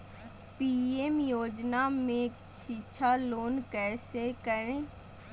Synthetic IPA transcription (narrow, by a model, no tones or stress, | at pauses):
piːemjoːd͡ʒnamẽ | ʃiʃʰaloːnkɛːsekəɾẽː